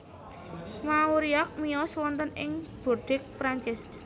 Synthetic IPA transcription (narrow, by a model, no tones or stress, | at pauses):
mauɾiak̚mijɔswɔnt̪ənɪ̰ŋb̥urɖ̥ɪk̚pɾaɲt͡ʃɪs